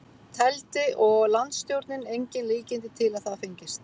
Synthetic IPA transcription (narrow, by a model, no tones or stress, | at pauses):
t̪ʰɛlt̪ɪʔɔɣlant̪st̪jowɾt̪nɪnejɲcɪnliːcɪnt̪̬ɪt̪ʰɪlaðθaðfɪjɲcɪst̪